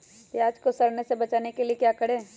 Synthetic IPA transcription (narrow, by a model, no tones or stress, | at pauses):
eaːd͡ʒkosɐɾnesebɐt͡ʃaːnekeliekjaːkɐɽẽː